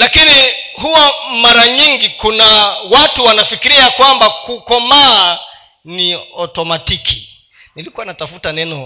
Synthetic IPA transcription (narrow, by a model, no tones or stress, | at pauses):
lakini | huwamaɾaɲiŋɡikunawatuwanafikiɾiakwambakukɔmaː | niɔtɔmatiki | nilikuwanatafutanɛnɔ